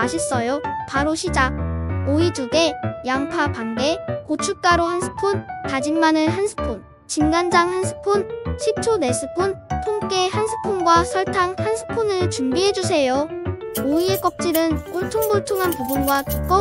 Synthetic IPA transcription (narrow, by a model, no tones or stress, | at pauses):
aɕʰis͈ʌjopaɾoɕʰid͡ʑak̚oituɡe̞jaŋpʰapaŋɡe̞kot͡ɕʰuɭ̚k͈aɾohansʰɯ̥pʰuntad͡ʑinmanɯnɦansʰɯ̥pʰun | t͡ɕinɡand͡ʑaŋhansʰɯ̥pʰunɕʰip̚t͡ɕʰone̞sʰɯpʰuntʰoŋk͈ehansʰɯ̥pʰunɡwasʰʌɭtʰaŋhansʰɯ̥pʰunɯɭt͡ɕuŋbiɦe̞d͡ʑus̬ʰe̞jooiek͈ʌk̚t͡ɕ͈iɾɯnkoɭtʰoŋboɭtʰoŋɦanpobunɡwakʰi̥k͈o